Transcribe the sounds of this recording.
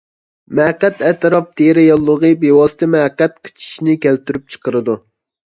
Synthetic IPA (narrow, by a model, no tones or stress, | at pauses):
mɛqːɛt̪ɛt̪ʰɨɾɑp̚t̪ʰeɾɪjɑlˠːəʁəbewɑsɨ̥t̪ʰɛmɛqːɛt̪qʰə̥t͡ʃʰi̥ʃinɪkʲʰɛlt̪yɾyp̚t͡ʃʰə̥qʰəɾɨd̪u